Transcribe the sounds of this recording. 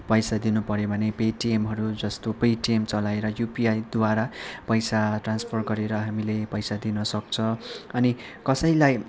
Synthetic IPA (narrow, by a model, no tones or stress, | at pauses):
pʌjsad̪inupʌɾjobʱʌnepeʈiemɦʌɾud͡zʌst̪opeʈiemt͡sʌlaeɾʌjupiajd̪waɾapʌjsaʈranspʰʌrɡʌɾeɾʌɦamilepʌjsad̪inʌsʌk̚t͡sʰʌʌnikʌsʌjlaj